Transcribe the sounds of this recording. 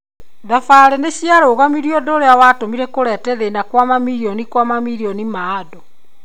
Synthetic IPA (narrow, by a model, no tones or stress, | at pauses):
ðafaɾɛneɕjaɾoːɣamiɾijɔdoɾeawatomiɾɛkoɾɛtɛðenakwamamiɾiɔnikwamamiɾiɔnimaːdo